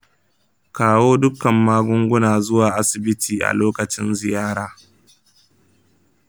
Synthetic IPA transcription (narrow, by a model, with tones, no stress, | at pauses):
kaː˨woː˦dʊ˦kɐ˨mːaː˦ɡʷʊ˦ŋɡʷʊ˦naː˨zʊ˦waː˨ʔa˦sɪ˨bɪ˦tʰiː˨ʔa̰˨loː˦kɐ˨t͡ʃɪ˦nzɪ˨jaː˦ɽaː˨